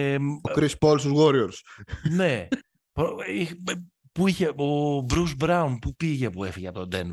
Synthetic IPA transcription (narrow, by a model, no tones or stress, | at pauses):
okɾispolsuzwoɾioɾsne | pɾoi | puiçeobɾuzbɾawnpupiʝepuefiʝɐt̪od̪en